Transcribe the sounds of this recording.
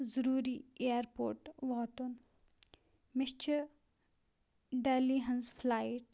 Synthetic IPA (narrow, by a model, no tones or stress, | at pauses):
zəɾuːɾieɾpo̰ːɾʈʋɔːt̪un | mɪst͡ʃʰə | ɖɛːliɦɐnzflajʈ